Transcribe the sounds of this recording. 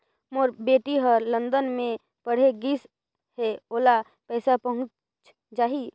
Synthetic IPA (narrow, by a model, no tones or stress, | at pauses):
moɾbeːʈiɦəɾlə̃nd̪ənmẽ | pəɽ̤eɡiːs | heoːla | pɛːsapəɦʊ̃t͡ʃ | t͡ʃ | d͡ʒaːɦi